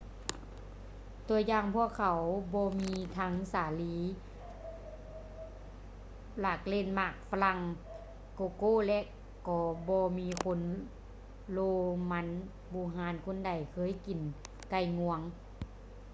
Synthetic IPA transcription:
t̪u˧əjaː˧˨ŋpʰu˧˨əkʰa˨˩wbɔː˧miː˧t̪ʰa˧˥ŋsaː˨˩liː˨˦ | laː˧˩k̚leː˧˨nmaː˧˩k̚fa˧la˧˩ŋ | koː˧˨koː˧˥˨lɛ˧ʔ | kɔː˧˩bɔː˧miː˧˥kʰo˧˥˨n | loː˧ma˧˥n | buː˧˨ɦaː˧˥nkʰo˧˨nda˨˩jkʰɤː˧˥˨jki˨˩n | ka˧˩jŋu˧əŋ

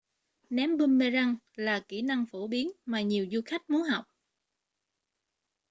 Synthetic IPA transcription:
nɛ˨˦mɓə˧nme˧za˧ŋ | laː˨˩ki˧˩na˧ŋfo˧˩ɓi˨˦ənmaː˨˩ɲi˨˩əwzu˧xa˦˥jk̟̚mu˨˦ɦa˨˩wk͡p̚

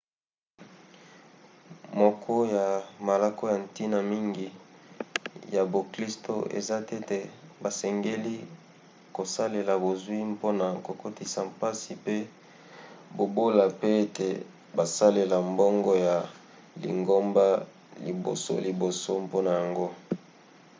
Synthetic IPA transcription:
mo˨kʰɔ˦ja˨ma˨la˦ko˦ja˨n˨ti˦na˨mi˦ŋɡi˨ | ja˨bo˨kli˦sto̰˦˨ʔḛ˨za˦te˦te˨ba˨sɛ˨ŋɡe˦li˦ | ko˨sa˦le˨la˨bo˨zwi˦mpo˦na˨ko˨ko˦ti˦sa˨mpa˦si˨pe˦ | bo˨bo˦la˨pe˦e˦tʰḛ˨ | ba˨sa˦le˨la˨mbo˦ŋɡɔ˦ja˨ | lḭ˨ŋɡo˦mba˦ | li˨bo̰˨so̰˦li˨bo˨so˦mpo˦na˨ja˨ŋɡo˦

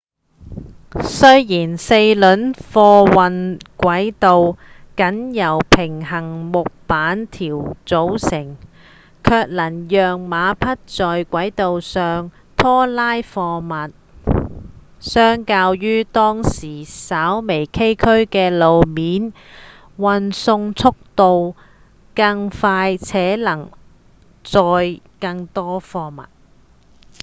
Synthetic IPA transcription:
sɵ˥ɥjiː˨˩nse˧jlɵ˨˥nfɔː˧wɐ˨nkʷɐ˨˥jt̪o˨w | kɐ˨˥njɐ˨˩wpʰɪ˨˩ŋɦɐ˨˩ŋmʊ˨k̚paː˨˥nt̪ʰiː˨˩wt͡so˨˥wsɪ˨˩ŋ | kʰœː˧k̚lɐ˨˩njœː˨ŋmaː˨˧pʰɐ˥t̚t͡sɔː˨jkʷɐ˨˥jt̪o˨wsœː˨ŋ | t̪ʰɔː˥laː˥jfɔː˧mɐ˨t̚ | sœː˥ŋkaː˧wjyː˥t̪ɔː˥ŋsiː˨˩saː˨˥wme˨˩jkʰe˥jkʰɵ˥ɥkɛː˧lo˨wmiː˨˥n | wɐ˨nsʊ˧ŋt͡sʰʊ˥k̚t̪o˨˧w | kɐ˧ŋfaː˧jt͡sʰɛː˨˥lɐ˨˩ŋ | t͡sɔː˧jkɐ˧ŋt̪ɔː˥fɔː˧mɐ̰˨t̚

